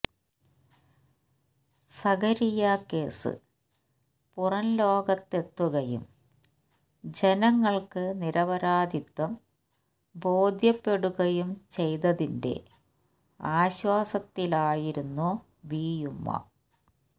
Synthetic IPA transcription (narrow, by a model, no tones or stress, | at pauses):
sɐɡɐɾijake̞ːsɨ̰ | purɐnloːɡɐt̪ːe̞t̪ːuɣɐjṵm | d͡ʑenɐŋːɐɭkɨniɾɐʋɐɾaːd̪ʱit̪ːɐm | bo̞ːd̪ʱjɐpːe̞ɽuɣɐjumt͡ɕe̞jt̪ɐðinde̞̰ | aːɕwaːsɐt̪ːilaːjiɾunːu | biːjumːɐ̰